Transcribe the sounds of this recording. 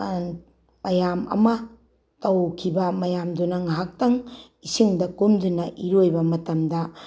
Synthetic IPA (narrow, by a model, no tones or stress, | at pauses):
mɐjamɐ̰mɐ | tɐwkʰibɐmɐjamdunɐŋɦak̚tɐŋ | isiŋdɐkumdunɐʔiɾojbɐmɐtɐmdɐ